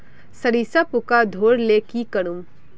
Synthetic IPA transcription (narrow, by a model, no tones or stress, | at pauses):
sɐɾiːsapʊkad̪ʱoːɽleːkikɐɽ̃um